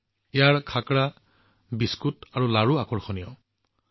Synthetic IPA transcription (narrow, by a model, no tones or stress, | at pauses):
ɛjaɹkʰakɹa | biskutaɹulaɹuakɔɹxɔnijɔ